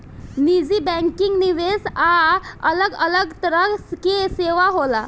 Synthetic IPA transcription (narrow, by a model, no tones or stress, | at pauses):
nid͡ʑiːbɛ̃ŋkiŋɡniʋesaələɡələɡt̪əɾəskeseʋaɦola